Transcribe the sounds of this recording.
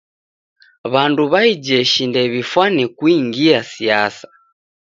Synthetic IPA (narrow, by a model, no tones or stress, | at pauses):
βanduβaid͡ʒɛʃindɛβifwanɛkuiŋɡiasiasḁ